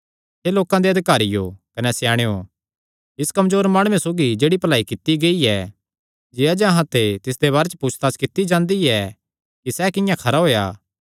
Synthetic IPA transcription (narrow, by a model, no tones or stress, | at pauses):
seloːkãd̪eɐd̪ɪkaːɾijo̰kɐnɛsjãːɽ̃ejo | ɪskɐmd͡ʒoːɾmaːɽ̃ʊẽsoːɡid͡ʒeːɽipɐlaːikɪt̪iɡeiɛ | d͡ʒeːad͡ʒɐɦãt̪et̪ɪs̬d̪eβaːɾet͡ʃpuːt͡ʃʰt̪aːskɪt̪ːid͡ʒãːnd̪iɛ | kisɛkɪjãkʰɐɾaɦoːja̰ː